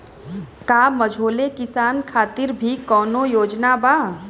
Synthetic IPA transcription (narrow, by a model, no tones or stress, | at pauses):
kaːmɐd͡ʒʱoːlekɪsaːnkʰaːt̪ɪɾbʱikɔːnõjoːd͡ʒnabaː